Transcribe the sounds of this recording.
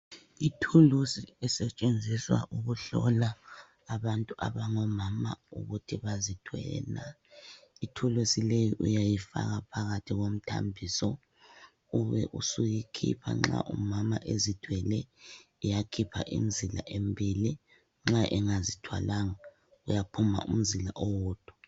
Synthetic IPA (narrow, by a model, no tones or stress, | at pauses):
itʰulusiɛsɛt͡ʃʼend͡zʱiswa̰ʔuɣuɬɔlaː | βantʼuʔa̰βaŋɔmama̰uɣutʰiβazitʰwɛ̰la | itʰulusilejiʔujajifa̰ɣapʰaɣatʰiɣom̩tʰa̰mbʱisɔ | uβɛ̰ʔusujikʰḭpʰa̰ŋ͡ǁa̰ʔumamaʔezid̥ʱwɛlɛː | jakʰipʰa̰ʔḭm̩zila̰ʔembʱili | ŋ͡ǁaʔɛŋazitʰwa̰laŋa | ujapʰuma̰ʔum̩zilaʔɔwɔːd̥ʱu̥